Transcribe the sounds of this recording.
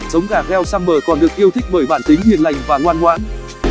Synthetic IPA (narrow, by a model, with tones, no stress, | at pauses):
zə˨˦wŋ͡mɣaː˨˩k̚hɛ˧wsaː˧mɓəː˨˩kɔ˨˩nɗɨ˨˩ək̚ʔi˧əwt̪ʰi˦˥k̚ɓəː˧˩jɓaː˧˩nt̪ï˨˦ŋhi˨˩ənla˨˩jŋ̟vaː˨˩ŋwaː˧nŋwaː˨˦n